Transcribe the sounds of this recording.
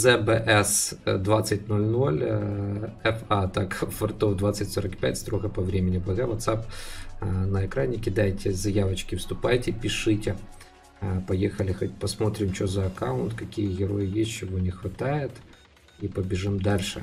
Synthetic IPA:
zɛbɛʔɛsd̪ʋat̪sʲɐtʲnɔlʲnɔlʲ | ɛfɑt̪ɑkʋɐrt̪ɔwd̪ʋat̪sʲːɐtʲsɔɾɐkpʲa̰tʲst̪ɾɔɣɐpɐʋɾʲemʲenʲibɔɣɛʋɐt̪sɑp | nɐekɾanʲɪkʲɪd̪ajtʲɛzɐjaʋɐt͡ʃkʲɪwst̪ʊpajtʲɛpʲɪʃɪtʲɛ | pɔjɛxɐlʲɪxɐtʲpɐsmɔt̪ɾʲɪmt͡ʃɔzɐːkaʊnt̪kɐkʲijɣʲeɾɔjɪjɛsʲt͡ʃɔʋɔnʲɪxʋɐt̪ɑjɛt̪ | ipɔbʲɪʒɪmd̪ɑlʲʃɛ̰

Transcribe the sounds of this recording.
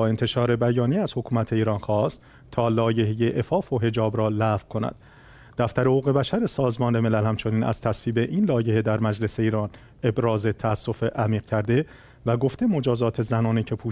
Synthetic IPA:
ɒːe̞nt̪ʰe̞ʃɒːɾe̞bæjɒːnijeæz̥ho̞kʰuːmæt̪ʰe̞iːɾɒːnxɒːst̪ | t̪ʰːɒːlɒːje̞ɦejeʔefɒːfo̞ɦe̞d͡ʒɒːbɾɒːlæfkʰo̞næ̰d̪̥ | d̪̥æft̪æɾehɣuːɣe̞bæʃæɾe̞sɒːzmɒːne̞me̞lælhæmt͡ʃʰo̞niːnæ̰z̥t̪ʰæsviːbe̞ʔiːnlɒːje̞he̞d̪æɾmæd͡ʒle̞se̞iːɾɒːn | e̞bɾɒːze̞t̪ʰææsːo̞feʔæmiːɣcʰæɾd̪e̞ | væɡo̞ft̪emo̞d͡ʒɒːzɒːt̪ʰe̞zænɒːniːcʰe̞pʰuː

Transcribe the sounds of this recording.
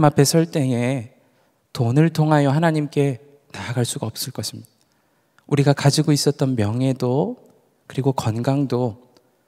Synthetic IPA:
mapʰe̞sʰʌɭt͈e̞ŋe̞ | tonɯɭtʰoŋɦajʌhanaɲimk͈e̞ | naaɡaɭs͈uɡaʌp̚s͈ɯɭk͈ʌɕʰimɲida | uɾiɡakad͡ʑiɡois͈ʌt̚t͈ʌnmjʌŋɦe̞do | kɯɾiɡokʌnɡaŋdo

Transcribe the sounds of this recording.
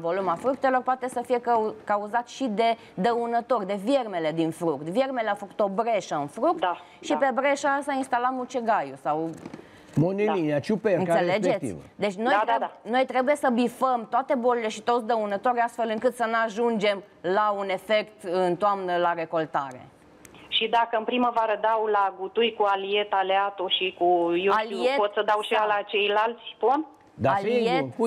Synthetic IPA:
vo̞lumafɾuk̚t̪e̞lo̞rpoat̪esəfije̞kauzat̪ʃid̪e̞ | d̪əunət̪o̞rʲd̪e̞vje̞rme̞le̞d̪infɾukt̪vjermeleawfəku̥t̪o̞bɾe̞ʃəɨnfɾuk̚t̪ | ʃipe̞bɾe̞ʃasəainst̪aləmut͡ʃeɡajusaw | monilinat͡ʃupeɨnkaseled͡ʒeet̪t̪ḭvd̪e̞t͡ʃʲno̞j̪ɾeno̞jt̪ɾe̞buje̞səbifəmt̪oat̪e̞bolile̞ʃit̪ot̪s̬ʲd̪əunət̪o̞ɾʲast̪fe̞lɨŋkɨt̪sənuaʒund͡ʒe̞m | laune̞fe̞kt̪ɨnt̪oamnəlaɾe̞ko̞lt̪aɾe̞̰ | ʃid̪akəɨnpɾiməvaɾəd̪awlaɡut̪ujkualie̞t̪aleat̪oʃikujewaliepot̪səd̪awʃalat͡ʃe̞jlalt̪sʲpon | d̪aaleiet̪

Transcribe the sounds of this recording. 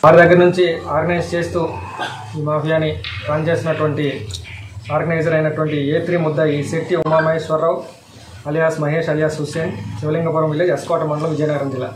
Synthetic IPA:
ʋaːɾid̪ɐɡːɐɾɐnuɲt͡ʃiaːɾɡɐnɐjst͡ʃe̞ːst̪uː | iːmaːpʰijaːnːit̪aːnt͡ʃeːsinɐʈuʋɐɳʈi | aːɾɡɐnɐjd͡ʒɐɾɐjnɐʈuʋɐɳʈieːt̪ɾimud̪ːɐiːsiʈiumːaːmɐɦeːʂʋɐɾːɐw | ɐlijaːsmɐɦe̞ːʂɐlijaːsɦuseːnt͡ʃiʋɐliŋɡɐp̬uːɾɐmʋilːeːd̪iɐskaːʈɐmɐɳɖɐlɐmʋid͡ʒɐjɐnɐːɡɐɾɐnd͡ʒilːa̰ː

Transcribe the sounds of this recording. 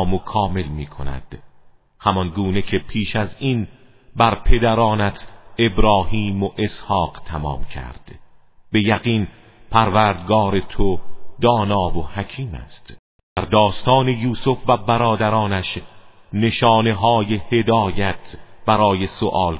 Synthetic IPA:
mokʰɒːme̞lmiːkʰo̞̰næ̰d̪̥ | hæmɒnɡuːnecʰepʰiːʃæzin | bæɾpʰe̞d̪æɾɒːnæt̪ʰe̞bɾɒːhiːmoʔe̞shɒːqt̪ʰæmɒ̰ːmcʰæ̰ɾd̪̥ | be̞jæɣiːn | pʰæɾvæɾd̪ɡɒːɾe̞t̪ʰod̪ɒːnɒːvohæcʰiːmæ̰st̪ | d̪æɾd̪ɒːst̪ɒːne̞juːsofvæbæɾɒːd̪æɾɒːnæʃ | ne̞ʃɒːne̞ɦɒːje̞he̞d̪ɒːjæt̪ʰb̥æɾɒːje̞soʔɒːl

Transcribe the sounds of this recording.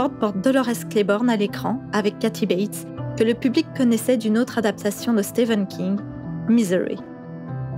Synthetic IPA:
ɔʁd̪̚pɔʁt̪̚d̪ɔlɔʁɛsklebɔʁnalekχɑ̃avɛkːat̪ʰibɛjt̪ | kələpyblikːɔnɛsɛd̪ynot̪χad̪ap̚t̪asjɔ̃d̪əst̪evɛnkʲʰĩŋɡ | mizɛʁḭ

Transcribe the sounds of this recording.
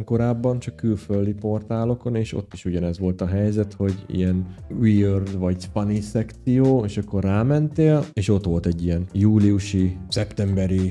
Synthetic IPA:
ŋko̞ɾaːbːɒnt͡ʃɒkːylføld̪ipo̞rt̪aːlo̞ko̞neːʃo̞̰t̪ːiʃuɟɒnɛzʋo̞lt̪ɒɦɛjzɛt̪ho̞ɟḭjɛnwiørd̪ʋɒɟspɒnisɛkt̪sijoːeːʃɒkːo̞rːaːmɛnt̪eːleːʃo̞t̪ʋo̞lt̪ɛɟːijɛnjuːlijuʃisɛpt̪ɛmbɛɾi

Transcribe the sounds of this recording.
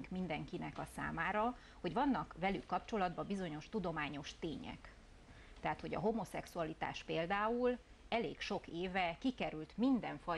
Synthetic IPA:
ŋkmind̪ɛŋkinɛkɒsa̰ːmaːɾɒ | ho̞ɟʋɒnːɒkʋɛlykːɒpt͡ʃo̞lɒd̪̚bɒbizo̞ɲo̞ʃt̪ud̪o̞maːɲo̞ʃt̪eːɲɛ̰k | t̪ɛɦaːt̪ho̞ɟɒ̰ɦo̞mo̞sɛksuɒlit̪a̰ːʃpeːld̪aːul | ɛlḛːkʃo̞keːvɛkikɛɾylt̪mind̪ɛɱfɒ

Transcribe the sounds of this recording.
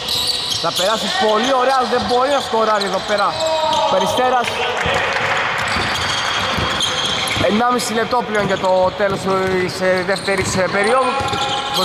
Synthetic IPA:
θɐpe̞ɾɐsipo̞lio̞ɾeɐðembo̞ɾinɐft̪oɾɐɾieðo̞pe̞ɾɐ̥pɐɾist̪e̞ɾɐs | enːɐmisilet̪o̞pleo̞nʝɐt̪o̞t̪e̞lo̞sisðe̞ft̪e̞ɾispe̞ɾio̞ðu

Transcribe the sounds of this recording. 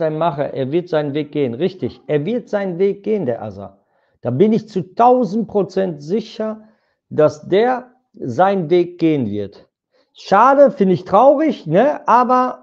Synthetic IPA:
aɪnənmaχəʔḛːɐvɪɐtz̥aɪnənveːk̚ɡ̥eːənʁɪçtɪçʔeːɐvɪɐtz̥aɪnənveːk̚ɡ̥eːəndeːɐʔa̰za̰ | d̥aːbɪnɪçt͡sutaʊzn̩t̚pʁ̥ot͡sɛntz̥ɪçɐ | d̥asd̥eːɐ | zaɪnənveːk̚ɡ̥eːənvɪɐt | ʃaːdəfɪndəɪçtʁ̥aʊʁɪçnəʔaːbɐ

